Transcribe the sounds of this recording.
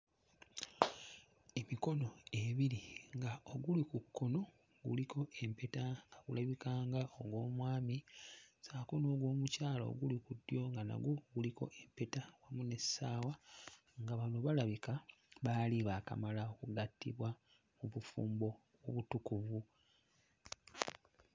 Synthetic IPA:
e̞miko̞no̞e̞βiliŋɡaoɡulikukːo̞no̞ | ɡṵlikʰo̞ʔe̞mpe̞taŋɡaɡṵlaβikaːŋɡao̞ɡwo̞ːmwaːmisaːko̞no̞ːɡwo̞ːmucaːlo̰ɡulikudjo̞ŋɡana̰ɡoɡuliko̞̰ʔe̞mpe̞tawamune̞saːwa | ŋɡaβanoβalaβikaβaːliβaːka̰malaokuɡatːḭβwa | muβufṵːmbo̞ | woβutukuvu

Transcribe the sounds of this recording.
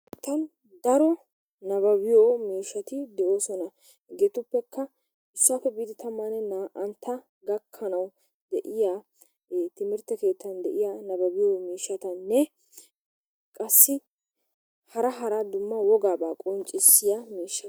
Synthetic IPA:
t̪ːɐn | d̪ɐɾɔ | nɐbɐbɪjoːmiːʃːɐt̪ɪd̪ɛʔo̞ːsɔnɐ | ɡeːt̪ʊpːɛkːɐ | ɪsːaːfɛbid̪ɪt̪ɐmːanɛnʔɐnt̪ʰːɐ | ɡɐkʰːɐnɐw | d̪ɛʔɪjaː | t̪ɪmɪɾt̪ɛke̞ːt̪ːɐnd̪ɛʔɪjaːnɐbɐbɪjoːmiːʃɐt̪ɐnːɛ | kʼɐsːɪ | hɐɾɐɦɐɾɐd̪ʊmːɐwɔɡaːbaːkʼɔnt͡ʃʼɪsːɪjɐmiːʃːɐ

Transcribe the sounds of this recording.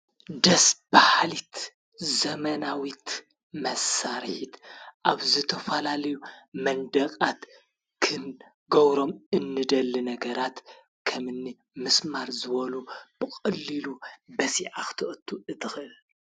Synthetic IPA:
d̪ɐsbahlit̪ | zɐmɐnawit̪ | mɐsaɾħit̪ʔaβzɨt̪ʰɐfɐlalɐjumɐnd̪ɐkʼat̪ | kʰɨn | ɡɐβɾo̞mɨnːɨd̪ɐlːinɐɡɐɾat̪ | kʰɐmɨnːi | mɨsmaɾzɨβɐlub̥ɨkʼɐlːilubɐsiʕaxɨ̥t̪ʰɨʔɐt̪ʰːuʔɨt̪ɨxɨl

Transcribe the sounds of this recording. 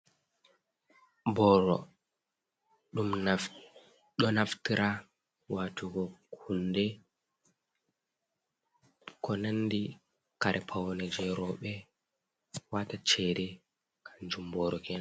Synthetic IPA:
bɔɾɔ | ɗum | ɗɔnaftiɾa | watʰuɡɔkʰundɛ | kɔnanːdi | kaɾʔɛpʰawɔnɛd͡ʒɛɾɔɓɛ | watat͡ʃɛdɛ | kʰaɲd͡ʒumbɔːɾɔkɛna

